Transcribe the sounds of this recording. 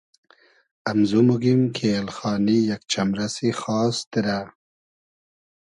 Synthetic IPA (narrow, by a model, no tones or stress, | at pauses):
amzumuɡimkʰelxɑːnijak̚t͡ʃamɾasixɑːst̪iɾa